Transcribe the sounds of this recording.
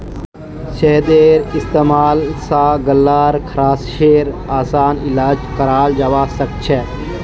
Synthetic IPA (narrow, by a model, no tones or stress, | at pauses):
t͡ʃeɦd̪eːɾɪst̪eːmaːlsaɡəlːaːɾkʰɾaːsʃeːɾaːsaːnilaːd͡ʒkəɾaːld͡ʒaːʋasək̚t͡ʃʰɛ